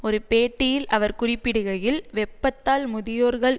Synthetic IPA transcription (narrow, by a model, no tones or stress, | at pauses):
ɔɾɯpeːʈːɪjɪlʔɐʋɐɾkʊrɪpːɪɽɯɣɐjɪlʋɛpːɐt̪ːaːlmʊðɪjoːɾɣɐɭ